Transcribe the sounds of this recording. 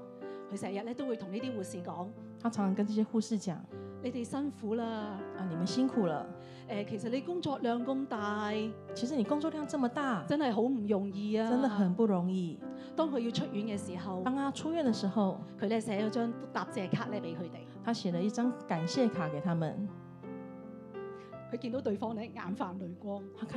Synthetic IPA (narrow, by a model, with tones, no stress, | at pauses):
kʰɵ˧ɥsɛː˨˩jɐ˨t̚lɛː˥t̪o˥wu˨˧jt̪ʰʊ˨˩ŋni˥t̪iː˥wuː˨˩siː˨kɔː˨˥ŋ | t̪ʰa˥ʈ͡ʂʰɑ˨˧˥ŋsʰɑ˧ŋkə˦nʈ͡ʂə˥˧˩ɕjɛ˥xu˥˧ʂɻ̩˥˩t͡ɕjɑ̰˨˩˦ŋne˨˧jt̪e˨˩jsɐ˥nfuː˨˥laː˧ɐ˧ni˨˩mə˨˦nɕi˥ŋkʰu˨˩lə̰˩ | ʔɛː˨˧kʰe˨˩js̬ɐ˨t̚le˨˧jkʊ˥ŋt͡sɔː˧k̚lœː˨˧ŋkʊ˧˥mt̪aː˨˧jt͡ɕʰi˧˥ʂ̬ɻ̩˧˥ni˨˩kʊ˥ŋt͡swɔ˥˧li˥jŋt͡sʈ͡ʂə˥˩mə˨t̪a˥˩t͡sɐ˥nhɐ˨jɦo˨˥wm̩˨˩jʊ˨˩ŋjiː˧aːt͡sːə˦˥nd̪ə˨xə˨˩npu˥˩ɻʊ˧˥ŋi˥˩ | t̪ɔː˥ŋkʰɵ˨˧ɥji˧wt͡ʃʰɵ˥t̚jyː˨˥nkɛː˧siː˨˩ɦɐ˨w̪a˥ŋʰa˥t͡ʃʰu˥ɥɛ˥˨nd̪ə˨ʂɻ̩˧˥xo˨ʊkʰɵ˧ɥlɛː˥sɛː˨˥jɐ˨˧wt͡ʃœː˥ŋt̪aː˨p̚t͡sɛː˧˩kʰaː˥t̚lɛː˥pe˨˥jkʰɵ˨˧t̪e˨jt̪ʰa˥ɕjɛ˨˩lə˨˦i˥˩ʈ͡ʂɑ˥ŋka˨˩nɕjɛ˥˩kʰa˨˩ke˨˩ɪt̪ʰa˥mə̰˨n | kʰɵ˧ɥki˧nt̪o˨˥wt̪ɵ˧˨ɥfɔː˥ŋnɛ˨˥ŋa̰ː˨˥nfaː˨nlɵ˨˧ɥkʷɔː˥ŋʰ˥kʰ